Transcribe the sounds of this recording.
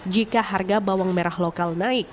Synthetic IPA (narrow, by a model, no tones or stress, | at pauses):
d͡ʒikaharɡabawaŋmɛɾahlokalnaɪk̚